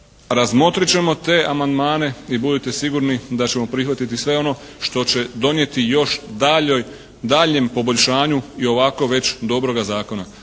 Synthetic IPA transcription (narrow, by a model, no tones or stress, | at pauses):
ɾazmo̞t̪ɾit͡ɕe̞mo̞t̪e̞ːʔamand̪maːne̞ibud̪it̪e̞siɡuɾnid̪at͡ɕe̞mo̞pɾixʋat̪it̪isʋe̞o̞no̞ | ʃt̪o̞t͡ɕe̞d̪o̞nje̞t̪ijo̞ʃd̪aoj | d̪aːʎɲe̞mpo̞bo̞ʎʲʃaːɲuio̞ʋako̞ʋe̞t͡ɕd̪o̞bɾo̞ɡazaːko̞na